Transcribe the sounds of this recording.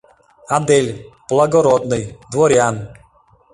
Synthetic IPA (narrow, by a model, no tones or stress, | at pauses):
ad̪elʲplˠaɡɔɾɔd̪nɨjd̪vɔɾʲjan